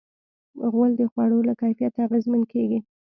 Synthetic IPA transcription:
ɣwəld̪əxwɑɽolakajfijat̪aɣezmənkʰeɡi

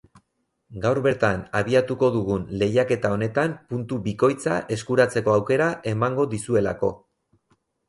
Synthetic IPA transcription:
ɡawɾβe̞ɾt̪anaβ̞iat̪uko̞ðuɣunle̞jake̞t̪ao̞ne̞t̪ampunt̪uβiko̞jt͡sa̰ʔe̞skuɾat͡se̞ko̞awke̞ɾaʔe̞maŋɡo̞ðisue̞lako̞

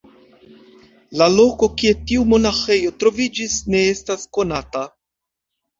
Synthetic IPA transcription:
lalo̞ko̞kie̞tiumo̞naxe̞jo̞tɾo̞vid͡ʒisne̞estasko̞nata

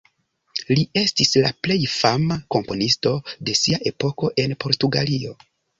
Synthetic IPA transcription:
lie̞stislaple̞jfamako̞mpo̞nisto̞de̞siaʔe̞po̞ko̞ʔe̞npo̞ɾtuɡalio̞

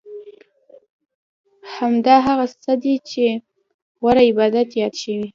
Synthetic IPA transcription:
hamd̪ɑɦaɣasad̪it͡ʃe | waɾaɪbɑd̪at̪jɑd̪ʃəwi

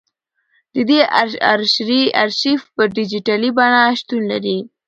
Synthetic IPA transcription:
d̪̥əd̪eaɾʃɾiaɾʃifpəɾɖɪd͡ʒiʈalibɑnaʃt̪unla̰ɾi

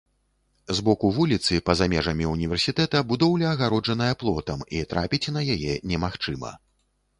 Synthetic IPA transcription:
zbɔkuvulʲit̪sɨpɐzamʲɛʐɐmʲiunʲivʲɛrsʲit̪ɛt̪ɐbud̪ɔwlʲɛɐɣaɾɔd͡ʐɐnɐjɐplˠɔt̪ɐmit̪ɾa̰pʲit͡sʲnɐjajɛnʲɛmaxt͡ʂɨmɐ̰

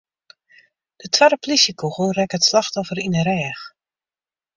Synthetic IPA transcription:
d̥ətʰwaɾəplisjəkuxurɛkətslɑxtɔfəɾinəɾɛːx

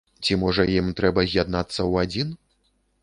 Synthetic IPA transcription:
t͡sʲimɔʐɐjimt̪ɾɛbɐzʲjad̪nat̪sːɐwad͡zʲin

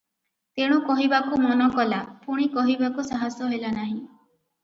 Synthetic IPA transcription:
t̪eɽ̃ɔkɔɦibakumɔnɔkɔlapʰuɽ̃ikɔɦibakusaɦasjɔɦelanaɦĩ

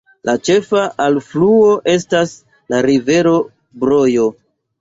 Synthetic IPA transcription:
lʔat͡ʃe̞faʔalfluo̞ʔe̞stas | laɾive̞ɾo̞ | bɾo̞jo̞

